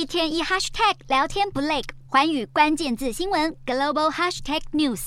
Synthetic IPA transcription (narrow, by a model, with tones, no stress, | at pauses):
i˥˧t̪ʰjɛ˥ni˥˧xa˥ʂt̪ʰɛ˥˩k̚ljɑ˧˥ʊt̪ʰjɛ˥npu˧˥le˥˩ɪkxwa˧˥ny˨˩kwa˥nt͡ɕjɛ˥˧nt͡sɹ̩˥˩ɕi˥ŋwə˧˥nɡə˨˩lo˥˧bo˧ʊha˥ʂt̪ʰɛ˥˩k̚nju˥˩s